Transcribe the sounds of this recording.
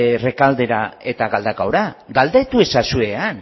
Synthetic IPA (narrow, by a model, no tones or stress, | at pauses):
re̞kald̪e̞ɾae̞t̪aɣald̪akawɾaɡald̪e̞t̪ue̞sasue̞an